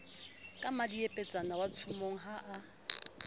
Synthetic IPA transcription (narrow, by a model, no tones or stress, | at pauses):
kʼamadiepʼet͡sʼanawat͡sʰumoŋ̩ɦaʔa